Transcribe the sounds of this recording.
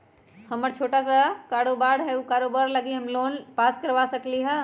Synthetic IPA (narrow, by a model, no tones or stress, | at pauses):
həməɾt͡ʃʰoːʈasakaːɽobaːɽɦɛukaːɾobaɾləɡiɦɐmloːnpaːskəɾʋasəkliɦɛ